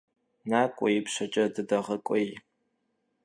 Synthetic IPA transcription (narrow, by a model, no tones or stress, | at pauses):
naːkʷʼɔ̰jɪpʃɐt͡ʃʼɐdɨdɐʁɐkʷʼɔj